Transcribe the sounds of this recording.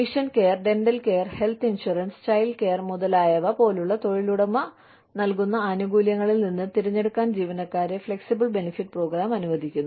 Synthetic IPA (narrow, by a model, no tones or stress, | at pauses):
iʂɐnke̞ːɐrɖe̞nɖɐlke̞ːɐrhe̞lt̪ʰinʂurɐnst͡ɕɐjlke̞ːrmuðɐlaːjɐʋɐpo̞ːluɭːɐt̪o̞ɻiluɽɐmːɐ | nɐlkunːɐːnuɡuːljɐŋːɐɭilninːɨt̪iɾiɲːe̞ɽukːaːnd͡ʑiːʋɐnɐkːaːɾefɭe̞ksibɐɭbe̞nifiʈːpro̞ːɡɾaːmɐnuʋɐd̪ʱikʲːunːu